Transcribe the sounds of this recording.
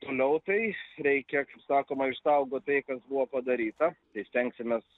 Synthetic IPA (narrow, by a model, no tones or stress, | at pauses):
t̪oːlʲɛʊt̪ɐɪɾʲɛɪkʲɛkɐɪpsɑːkoːmɐɪʃsɐʊɡoːt̪ɐɪkɐsbuʋopɐd̪ɐɾʲiːt̪ɐt̪ɐɪsʲt̪ʲɛŋksʲɪmʲeːs